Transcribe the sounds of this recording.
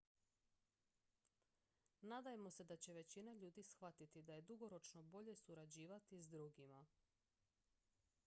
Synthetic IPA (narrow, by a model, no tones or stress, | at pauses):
nad̪ajemo̞se̞d̪at͡ɕe̞ʋe̞t͡ɕinaʎuːd̪isxʋat̪it̪id̪aje̞d̪uɡo̞ɾo̞t͡ʃno̞bo̞ʎe̞suɾad͡ʑiːʋat̪izd̪ɾuɡima